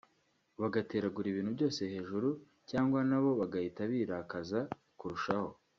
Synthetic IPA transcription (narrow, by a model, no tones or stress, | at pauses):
βaɡate̞ːɾaɡuɾiβiːnhubɟo̞ːse̞he̞ːʒuɾu | caːŋɡwanaβo̞βaɡahitaβiːɾakaza | kuɾuʃaho̞